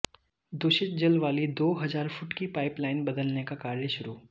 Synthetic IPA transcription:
d̪ʊʃɪt̪d͡ʒɐlʋaːlid̪oːɦɐzaːɾfʊʈkipaːɪplaːɪnbɐd̪əlnekakaːɾjəʃʊɾuː

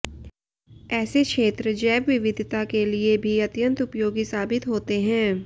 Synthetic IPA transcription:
ɛːsekʃeːt̪ɾəd͡ʒɛːʋʋɪʋɪd̪ʱt̪akeliebʱiɐt̪jə̃nt̪ʊpjoːɡisaːbɪt̪ɦoːt̪eɦɛ̃ː

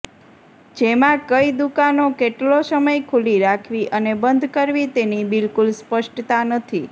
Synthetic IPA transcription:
d͡ʒemãkəid̪ukanokeʈlosəməjkʰuliɾakʰʋiʔənebənd̪ʱkəɾʋit̪enibɪlkulspəʃʈt̪anət̪ʰi

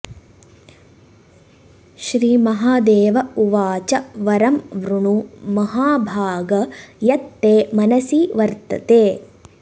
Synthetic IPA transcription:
ʃɾiːmɐɦaːd̪eːʋɐuʋaːt͡ʃɐʋɐɾɐmʋɾuɳumɐɦaːbʱaːɡɐjɐt̪ːeːmɐnɐsiʋɐɾt̪ɐ̰t̪eː

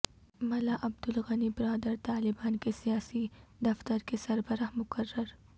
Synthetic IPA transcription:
mɐlaʔɐb̚d̪ʊlɣɐnibɪɾaːd̪əɾt̪aːlɪbaːnkesijaːsid̪ɐft̪əɾkesɐɾbəɾahmʊkɐrːəɾ

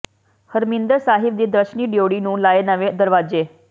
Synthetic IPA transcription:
həɾmind̪əɾsaɦibd̪iːd̪əɕɳiːɖjoɽinũːlajenaʋed̪əɾʋad͡ʑe

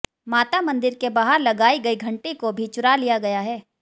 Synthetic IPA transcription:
maːt̪amɐ̃nd̪ɪɾkebaːɦəɾlɐɡaːiɡɐiɡʱɐ̃ɳʈekobʱit͡ʃʊɾalijaɡɐjaɦɛː

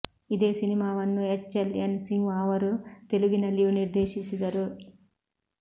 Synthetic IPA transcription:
id̪eːsinimaːʋɐnːuet͡ʃːɐlɐnsiŋɡʋaːʋɐɾut̪e̞liɡinɐlijuniɾd̪eːʃit͡ʃid̪ɐɾu

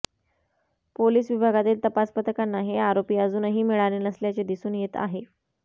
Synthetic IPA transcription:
poliːsʋibʱaɡat̪iːlt̪əpaspət̪əkanːaɦeaɾopiːəd͡zuːnɦiːmiɭaɽeːnəsljat͡ɕed̪isuːnjet̪a̰ɦe

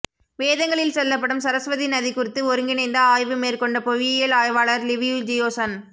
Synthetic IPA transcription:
ʋeːðɐŋɡɐɭɪlsɛlːɐp̬ːɐɽɯmsɐɾɐsʋɐðinɐðikʊɾɪt̪ːɯɔɾɯŋɡɪnɐɪnd̪ɐaːjʋɯmeːrkɔɳɖɐpɔʋijɐlaːjʋaːɭɐɾlɪʋɪjud͡ʒɪjoːsɐn

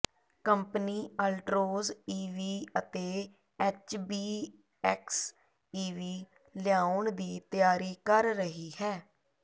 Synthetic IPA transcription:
kəmpniːəlʈɾoːziːʋiːət̪eː | ɛːt͡ʃbiː | ɛks | iːʋiː | lɪjaːʊɳd̪iːt̪ɪjaːɾiːkəɾːəɦiːɦɛː

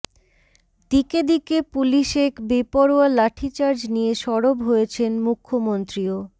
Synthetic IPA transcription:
d̪iked̪ikepuliʃekbipɔɾoalaʈʰit͡ɕaɾd͡ʑnijeʃɔɽobɦojet͡ɕʰenmukʰːomont̪ɾio

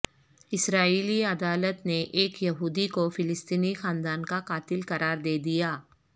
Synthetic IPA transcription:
ɪsɾaːiːliɐd̪aːlət̪neʔeːkjɐɦuːd̪ikofɪlɪst̪iːnixãːnd̪aːnkaqaːt̪ɪlkɐɾaːɾd̪eːd̪ijaː

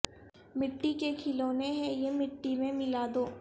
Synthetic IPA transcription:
mɪʈːikekʰɪloːneɦɛ̃jemɪʈːimẽmɪlaːd̪oː

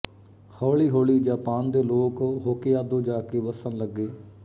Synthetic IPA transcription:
kʰɔːɭiːɦoːɭiːd͡ʒãːpãːnd̪eːloːkɦoːkeːaːd̪õːd͡ʒaːkeːʋəsənləɡːeː

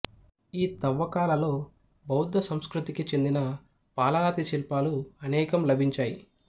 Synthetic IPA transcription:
iːt̪ɐʋːɐkaːlɐlo̞ː | bɐwd̪ːɐsɐmskɾut̪ikit͡ʃe̞nd̪inɐ | paːlaːt̪it͡ʃilpaːluɐnɛːkɐmlɐbʱiɲt͡ʃaːji

